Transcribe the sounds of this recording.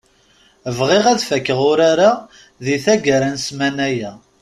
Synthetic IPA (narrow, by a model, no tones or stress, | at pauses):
əvʁɪʁæðfækːəʁʊɾaɾa | ðiθæɡəɾænsmænæjæ